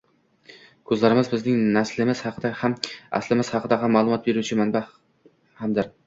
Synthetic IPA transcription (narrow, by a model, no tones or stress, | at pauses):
kʲʰɵzlæɾɪmɪzbɪznɪŋnæslɪmɪz̥hɑqʰɨd̪æhamæ̰slɪmɪz̥hɑqʰɨd̪æhamːɑlˠumɒt̪̚beɾut͡ʃʰɪmænba | hamd̪ɪɾ